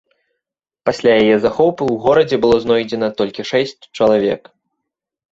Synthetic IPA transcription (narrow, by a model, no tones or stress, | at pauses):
pasʲlʲajajɛzaxɔwpɨwɣɔɾɐd͡zʲɛbɨlˠɔznɔjd͡zʲɛnɐt̪ɔlʲkʲiʂɛsʲt͡sʲt͡ʂɐlˠavʲɛ̰k